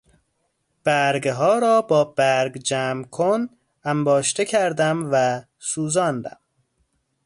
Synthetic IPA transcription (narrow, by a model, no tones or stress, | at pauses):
b̥æɾɡɦɒːɾɒːbɒːbæɾɡd͡ʒæːmkʰon | æmbɒːʃt̪ʰecʰæɾd̪æmvæ | suːzɒːnd̪æ̰m